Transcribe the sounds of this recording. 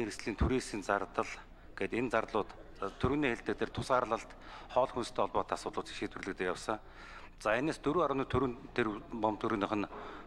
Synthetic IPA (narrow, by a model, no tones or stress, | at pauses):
eɾɘ̆sɮiːnt̪ʰuɾeːsiːnt͡sart̪ə̆ɮ | ɡ̥eːt̪ent͡sarɮʊːt̪ | t̪ʰːɵɾɘ̆niːxeɮt̪ɘ̆k̚t̪ʰert̪ʰʊ̥sɢaːɾɮə̆ɬt̪ | χɔːɮxunst̪ʰeːɔɮpɔːt̪ʰːasʊːt̪ɮʊːt͡si̥ʃiːt̪wɘ̆rɮɘ̆kt̪ɘ̆kjawsə̆ŋ | t͡saeneːst̪ɵɾuːaɾʊːniːt̪ʰɵɾɘ̆nt̪ʰːerpɔmt̪uɾiːnɔχə̆n